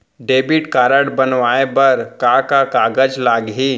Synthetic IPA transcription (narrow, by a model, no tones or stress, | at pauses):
ɖeːbɪʈkaːɾəɽbənʋaːebəɾkakakaːɡəd͡ʒlaːɡɦiː